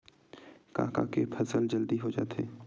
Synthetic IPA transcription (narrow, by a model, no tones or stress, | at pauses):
kã̰ːka̰kepʰɐsəld͡ʒəld̪iɦod͡ʒa̰ːt̪eː